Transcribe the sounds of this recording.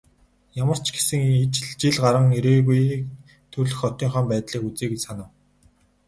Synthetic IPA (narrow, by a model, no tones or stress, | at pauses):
jamə̆r̥t͡ɕʰɡe̥sɘ̆ŋit͡ɕɮt͡ɕiɮɢaɾə̆ŋeɾeːɣuj | t̪ʰɵrɮɵ̆xɔt̪iːŋχɔːmpæːt̪ɮiːkut͡seːket͡ɕsanə̆ːw